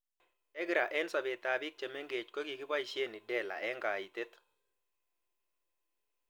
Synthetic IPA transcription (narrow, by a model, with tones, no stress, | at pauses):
ɛ˦ɡɾa˨ʔɛ˦nsa˨be˨t̪a˨bi˦k̚t͡ʃe˨me˦ŋɡe˨t͡ʃko˦ɡi˨kɪ˦ba˦i˨ʃje˦˨ni˨dɛ˦˨la̰˨ʔɛ˦ŋɡa˨i˨t̪e˦t̪